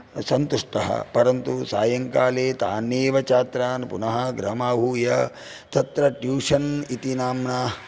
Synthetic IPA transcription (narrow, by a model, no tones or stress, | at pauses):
sɐnt̪uʂʈɐɦɐ̰pɐɾɐnt̪usa̰ːjɐŋkaːleːt̪aːneːʋɐt͡ʃaːt̪ɾaːnpunɐɦɐɡɾɐmaːɦuːjɐ | t̪ɐt̪ɾɐʈjuːʂɐnit̪inaːmnaː